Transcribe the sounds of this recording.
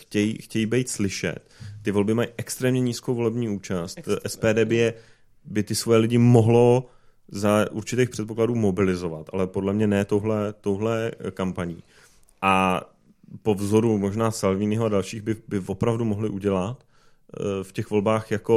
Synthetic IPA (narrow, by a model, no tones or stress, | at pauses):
xcɛjḭxcɛjiːbɛjt̪slɪʃɛ̰t̪ːɪvo̞lbɪmajiʔɛkst̪ɾɛːmɲɛɲiːskowvo̞lɛbɲiːuːt͡ʃast̪ʔɛspɛːdɛːbɪjɛ | bɪt̪ɪsvojɛlɪɟɪmo̞ɦlo̞ | zaʔuɾt͡ʃɪt̪ejxpr̥ɛt̪po̞kladuːmo̞bɪlɪzo̞vat̪ʔa̰lɛpo̞dlɛmɲɛnɛːt̪owɦlɛt̪owɦlɛkampaɲḭː | ʔa | po̞vzo̞ɾumo̞ʒnaːsalviːnɪɦoadalʃiːɣbɪbɪvo̞pɾavdumo̞ɦlɪʔuɟɛlat̪ | fcɛxvo̞lbaːxjako̞